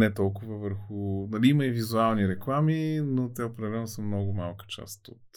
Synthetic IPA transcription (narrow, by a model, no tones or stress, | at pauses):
nɛt̪ɔlˠkʊvəvəɾxʊnɐliiməivizualˠniɾɛklˠaminot̪ɛʊpɾɛd̪ɛlɛnʊsəmnɔɡʊmalˠkə̥t͡ʃa̰st̪o̰t̪